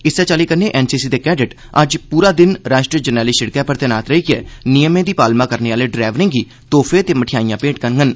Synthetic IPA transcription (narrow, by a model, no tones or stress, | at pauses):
ɪsːɛːt͡ʃaːliːkəɾneːʔɛːnsiːsiːd̪eːkɛːɖɪʈ | əd͡ʒpuːɾaːd̪ɪnɾaːʃʈɾiəd͡ʒənɛːliːʃɪɽkɛ̃ːpəɾt̪eːnaːt̪ɾəiːkɪɛ̰ːnijəmẽːd̪iːpaːlmãːkəɾneːaːleːɖɾɛːʋɾɪ̃ŋɡiː | t̪oːfʰeːt̪eːməʈʰijaːijãːpẽːʈ̚kəɾɡən